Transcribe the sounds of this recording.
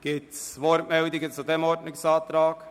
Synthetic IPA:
ɡ̥ɪtsʋɔɾtmɛldɪɡət͡sudɛmɔɾdnɪksɑːt̪ɾɑːk

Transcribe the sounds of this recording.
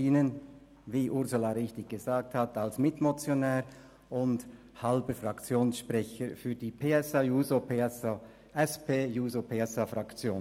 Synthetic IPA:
iːnən | viːʔʊʁzʊlaɾɪçtɪɡɡ̥əzaːk̚thatalsmɪtmot͡sjonɛːʁ | ʔʊnd | hɑlbəfrakt͡sjoːnsʃpʁɛçəfyːɐdiːpʰeːɛsajuːzopes | ɛspʰeːjuːzopʰeːɛsafɾakt͡sjo̰ːn

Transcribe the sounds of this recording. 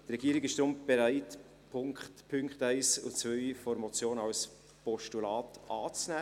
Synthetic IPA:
t̪rɛɡ̥iːəɾɪɡɪʃd̥ɾʊmb̥eɾæɪt | pʰʊŋkχtpʰʏŋkχtæɪsʊ̰t͡svœʏfɔɾmɔt͡sjoːnəɑls | pɔʃtulɑːtʔɑːt͡snæː

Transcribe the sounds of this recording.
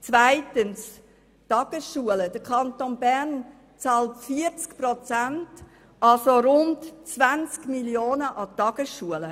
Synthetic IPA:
t͡svaɪtəns | tɑɡ̥əsʃuələd̥əkʰɑntonbɛʁn | t͡sɑːltfiəɾt͡skpɾot͡sænt | ʔɑlsoɾʊntt͡svant͡skmiljoːnəʔɑtɑɡ̥əsʃuələ

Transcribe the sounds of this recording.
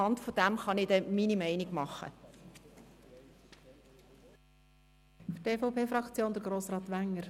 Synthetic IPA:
ɑndfod̥æmχɑnɪdɛminimɛɪniɡ̥mɑχːə̰ | fteːfoʊpeːfɾɑkt͡sjoːnd̪əɾɡɾoːsɾɑːt̪ʋæŋːəɾ

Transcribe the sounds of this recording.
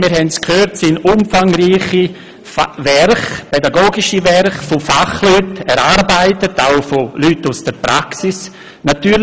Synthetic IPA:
miːɾhɛntskʰhøːɾtsinʊmfaŋɾiːχi | favɛɾχpɛdaɡoːɡɪʃivɛɾχfofaχlytɛɾaɾbaɪtətaʊfolytːusd̥əɾpɾaksɪs | natyː

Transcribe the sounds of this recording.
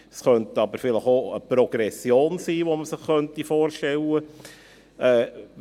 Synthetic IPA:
sχœnt̪əɑbəɾfɪləχoəpɾɔɡ̥ɾɛsjoːnsiːʋoməsɪχχœnt̪ifoːrʃtɛlːə | ɛː

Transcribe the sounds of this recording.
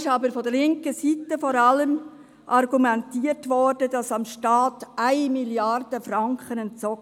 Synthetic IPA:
ʃɑbəɾfɔd̥əɾlɪŋkəsitəfɔɾɑləm | ʔɑrɡumɛntiːərtʋɔrd̥əd̥ɑsɑmʃtɑːtæɪmiljɑrd̥əfrɑŋkχənɛnt͡sɔ

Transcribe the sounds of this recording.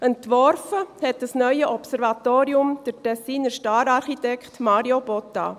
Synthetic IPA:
ɛntʋɔɾfəhɛt̚d̥əsnœʏəʔɔpsɛɾvɑt̪oːɾiʊmd̥əɾtɛsiːnəɾʃtɑːɾɑɾχitɛkχtmɑːɾiobɔt̪ːɑ̰

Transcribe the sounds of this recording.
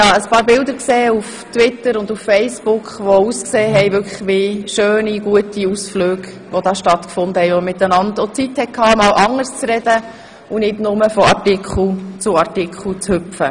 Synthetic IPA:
jɑːəspɑːɾbɪld̪əɾkseːuf | twɪtəɾʊnd̪uffɛɪsb̥ʊkχʋouskseːɦɛjʋʏɾkχə̥χʋɪʃøːniɡuətiusfløːɡ | ʋod̥ɑːʃtɑt̪kfʊnd̪əhɛɪomɪt̪ːənɑndot͡sit̪hɛkʰɑːmɑːlʔɑŋːəɾst͡sɾɛd̥ə | unɪdnʊməfɔɑɾtɪkʰl̩t͡sʊɑɾtɪkχl̩t͡shʏpfə

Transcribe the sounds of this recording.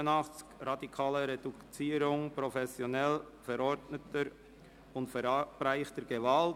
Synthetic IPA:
ənɑχt͡skɾɑdikʰɑːləɾed̥ut͡siːɾʊŋpɾofɛsjonɛl | fɛɾɔɾdnətəɾ | ʊntfɛɾb̥ɾaɪχtəɾɡevɑlt

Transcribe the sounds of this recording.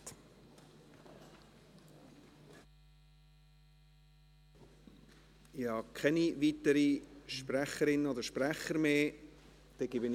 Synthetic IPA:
ɪhɑkʰɛnivit̪əɾiʃpræχəɾɪnəodəɾʃpræχəɾmeː | d̥̪ɛɡ̥ɪbən

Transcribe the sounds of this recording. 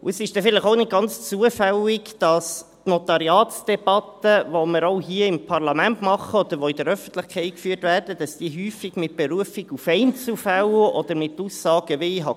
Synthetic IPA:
ʊəsɪʃd̥ɛfɪləχoʊnɪt̚ɡ̥ɑnt͡st͡suəfɛlɪɡd̥ɑstnɔt̪ɑɾiɑːtsd̥ɛb̥ɑt̪əvoməɾoʊɦiːəɪmpʰɑrlɑmæntmɑχəɔd̪əɾʋɔɪd̥əɾœfən̩t̪ləχkʰɛɪt̚kfyːtværd̥əd̥ɑsd̥iːɦyːfɪɡmɪt̚b̥ɛɾuəfɪɡufɛɪnt͡sufælʔɔd̪əɾmɪt̪usːɑːɡ̥əʋeiɦɑ

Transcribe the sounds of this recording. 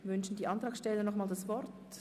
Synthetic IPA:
vʏnʃn̩diːʔantʁaːksʃtɛlːənɔχmaːldasv̥ɔɾt

